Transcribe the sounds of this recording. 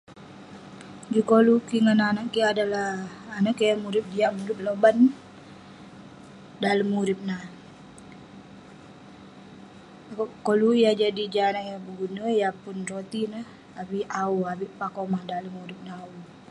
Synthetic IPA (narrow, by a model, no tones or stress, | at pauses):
d͡ʒikolukiŋananaʔkiadalahanaʔkajamuɾɪp̚diamuɾɪp̚loban | daləmːuɾɪp̚nah | akʔkolujad͡ʒadid͡ʒanaʔjabəɡunəjapʊnrot̪inah | abiʔauabiʔpakomahdaləmːuɾɪp̚naau